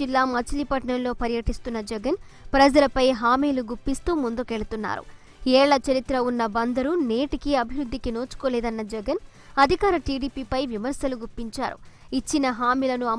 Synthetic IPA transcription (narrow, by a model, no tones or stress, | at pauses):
ilːaːmɐt͡ʃilipɐʈɐnɐnlo̞ːpɐɾjɐʈist̪unːɐd͡ʒɐɡɐnpɾɐd͡ʒɐlɐpɐjɦaːmiːluɡupːist̪uːmund̪ukeɭɐt̪unːa̰ːɾṵ | ɛːɭɐt͡ʃɐɾit̪ɾɐunːɐbɐnd̪ɐɾuneːʈikiɐbʱiʋɾud̪ʱːikinoːt͡ʃu̥koːlɛːd̪ɐnːɐd͡ʒɛɡɐn | ɐd̪ʱikaːɾɐʈiːɖiːpiːpɐjʋimɐɾsɐluɡupːiɲt͡ʃa̰ːɾṵit͡ʃːinɐɦaːmiːlɐnuɐ